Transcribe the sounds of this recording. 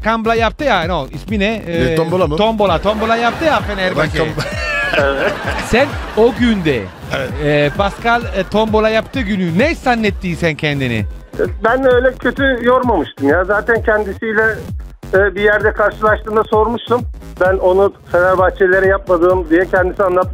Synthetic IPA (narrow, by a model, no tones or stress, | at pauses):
kamblˠajap̚t̪ɯjanoisminɛomolˠat̪ʰombo̞lˠat̪ʰombolˠajap̚t̪ʰɯjafenæɾbak | ɛvɛt̪sænoɟynd̪ɛ̰ | ɛpʰaskalʲˠt̪ʰombo̞lˠajapt̪ʰɯɟynynɛisanːɛt̪ʰːiːsæncʰɛnd̪inɪ̰ | bænøjlʲɛcʰøt̪ʰyjoɾmamɯʃt̪ʰɯmjaːzaːt̪ʰæncʰɛnd̪isijlʲɛ | bijæɾd̪ɛkʰaɾʃɯlˠaʃt̪ɯːmd̪aso̞ɾmuʃt̪um | bæno̞nufenæɾbaxt͡ʃʰelʲeɾɛjap̚mad̪ɯːmd̪ijɛcʰɛnd̪isianˠap̚